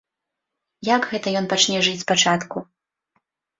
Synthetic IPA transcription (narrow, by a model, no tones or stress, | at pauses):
jaɡɣɛt̪ɐjɔnpat͡ʂnʲɛʐɨt͡sʲspat͡ʂat̪ku